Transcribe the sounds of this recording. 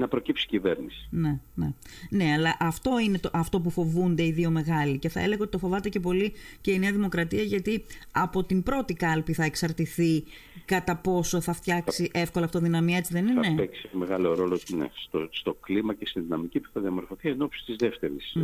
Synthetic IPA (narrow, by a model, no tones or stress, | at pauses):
nɐpɾo̞cipsi̥civeɾnisi̥ne̞ne | ne̞ɐlɐʔɐft̪o̞ine̞t̪oʔɐft̪o̞p̬ufo̞vund̪e̞iðio̞me̞ɣɐlice̞θɐele̞ɣɐot̪it̪ofo̞vɐt̪ece̞p̬o̞lice̞ineɐðimo̞kɾɐt̪iɐʝɐt̪iɐpo̞t̪imbɾo̞t̪ikɐlpiθɐeksɐɾt̪iθi | kɐt̪ɐpo̞so̞θɐft̪çɐksiʔe̞fko̞lɐft̪oðinɐmiɐet͡siðe̞ninepeksimeɣɐlo̞ɾo̞lonḛst̪ost̪o̞klimɐcest̪inðinɐmicipu̥θɐðiɐmo̞ɾfo̞θieno̞psi̥st̪izðeft̪eɾis